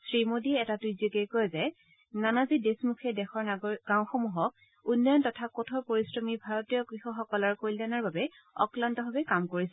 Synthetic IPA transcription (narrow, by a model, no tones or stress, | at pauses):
sɹimodiɛɛtatujzikekɔjzɛ | nanazidesmukʰɛdɛxɔɹɡ̥aw̃xomuɦɔk̚ | unːɔjɔntɔtʰakɔtʰɔpoɹisɹɔmibʱaɹɔtijɔkɹixɔxɔkɔlɔɹkojlanaɹbabɛ | ɔ̰klantɔbʱabɛkamkoɹisɛ